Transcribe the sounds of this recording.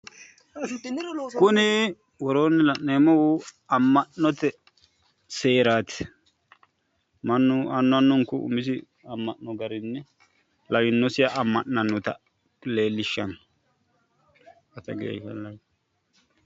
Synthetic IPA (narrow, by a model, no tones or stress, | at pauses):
kʊnɪ | wɔɾoːnːɪlɐʔneːmɔwʊ | ɐmːɐʔnɔt̪ɛ | se̞ːɾaːt̪ɪ̥ | mɐnːʊɐnːʊɐnːɔŋkʊʊ̰mɪs̬ɪ | ɐmːɐʔnɔɡɐɾɪnːɛ | lɐɡɪnːɔsɪjɐʔɐmːɐʔnɐnːɔt̪ɐ̰ | le̞ːlːɪʃːɐn | ɐt̪ɐɡḛl